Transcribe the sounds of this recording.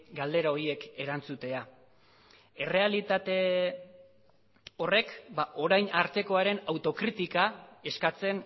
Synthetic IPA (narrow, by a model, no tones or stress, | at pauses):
ɡald̪e̞ɾao̞ɾie̞ke̞ɾant͡sut̪e̞a | e̞re̞alit̪at̪e̞ | o̞re̞kbaʔo̞ɾajnaɾt̪e̞ko̞aɾe̞nawt̪o̞kɾit̪ikae̞skat͡se̞n